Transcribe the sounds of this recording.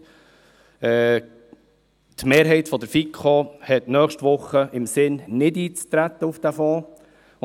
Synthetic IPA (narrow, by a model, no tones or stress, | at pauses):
ɛ | tmeːɾɦɛɪt̪fɔd̪əɾfikʰχohɛtnœːχʃtʋʊχəʔɪmsɪnnɪdiːt͡st̪ɾæt̪ːəufd̥̪æfɑː